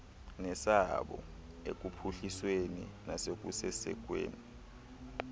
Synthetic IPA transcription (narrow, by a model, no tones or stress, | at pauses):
nɛsaɓɔ̰ | ḛk̬ʼupʰuɬiswenḭnasek̬ʼusɛsɛ̰k̬ʼwḛːni